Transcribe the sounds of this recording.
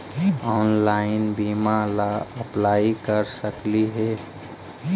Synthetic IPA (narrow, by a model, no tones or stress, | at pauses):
ɔːnlaːɪnbimalaəplaːikəɾsəkliɦɛ